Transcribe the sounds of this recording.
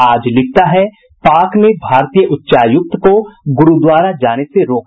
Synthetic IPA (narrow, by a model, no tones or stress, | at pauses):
aːd͡ʒlɪk̚ʰt̪aɦɛ | paːknebʱaːɾt̪ijəʔʊtːʃaːjʊk̚t̪koɡʊɾud̪waːɾad͡ʒaːneseɾoːk